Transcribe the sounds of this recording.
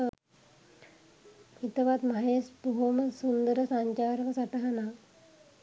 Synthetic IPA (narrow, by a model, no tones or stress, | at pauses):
it̪ɐʋat̪mɐɦeːspuɦomɐsund̪ɐɾɐsaɲt͡ʃaːɾɐʋɐsɐt̪ɐɦɐna